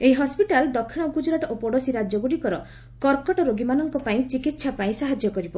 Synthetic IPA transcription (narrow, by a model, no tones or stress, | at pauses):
eiɦɔspiʈald̪ɔkʰːiɽ̃ɔkud͡ʒuɾaʈɔʔopɔɽɔsiɾad͡ʒjɔɡuɽikɔɾɔ | kɔɾkɔʈɔɾoɡimanɔŋkɔpaĩt͡ʃikit̪sʰapaĩsaɦad͡ʒjɔkɔɾibɔ